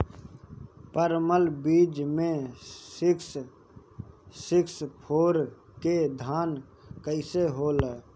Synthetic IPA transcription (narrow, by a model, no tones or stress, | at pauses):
pəɾməlbiːd͡ʒmẽsks | sɪkspʰoːɾ | ked̪ʱaːn | kəɪseɦoːlə